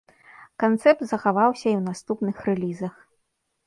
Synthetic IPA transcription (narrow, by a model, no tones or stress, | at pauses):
kant̪sɛp̚t̪zɐxavawsʲɐiwnast̪upnɨxrɛlʲizɐx